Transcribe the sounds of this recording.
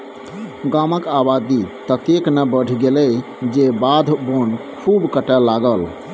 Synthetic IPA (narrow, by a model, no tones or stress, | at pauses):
ɡaməkabad̪it̪ət̪eknəbəɽ̤ʱɡelɛ | d͡ʒebad̪ʱbonkʰubkəʈɛlːaɡəl